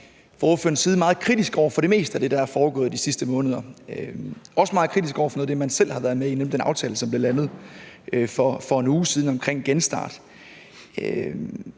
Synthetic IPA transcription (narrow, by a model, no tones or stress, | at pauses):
fɒːføɐn̩siːð̞̩ˠmɑ̈ːð̞̩ˠkʰʁid̥isɡ̥ɒʊɐfɒ̽ɾ̥e̝me̝̰ːsd̥əæd̥e̝ɾ̥ɑ̈æɐfɒːɡ̥ɔ̰̽ːð̩ˠd̥isisd̥əmɔ̽ːnəð̞̩ˠɐøɒ̽səmɑ̈ːð̩ˠkʰʁidisɡ̥ɒ̰ʊ̰ɐfɒnɔ̽ðˠd̥e̝mænsel̰hɑ̈ʋæːɐð̞ˠmeinel̰m̩d̥enɑ̈ʊt͡sʰɛːləsɒ̽mb̥le̝lænð̞̩ˠʔfɒfɒ̽e̝nuːsiːð̞ˠn̩ɒ̽mkʰʁeŋ̰ɡ̥ensd̥ɑ̰̈ːd̥